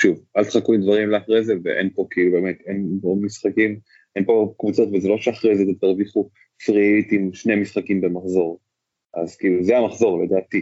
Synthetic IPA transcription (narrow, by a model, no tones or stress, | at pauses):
ʃuvalt̪χakulid̪vaʁimleaχʁejzevḛʔenpo̞keilube̞met̪enpomisχakim | enpo̞kvut͡so̞tvezelo̞ʃeaχʁejzet̪etaʁviχu | fʁit̪imʃnemisχakimbe̞maχzo̞ʁ | ʔazkiiːluzeamaχzo̞ʁled̪aːt̪i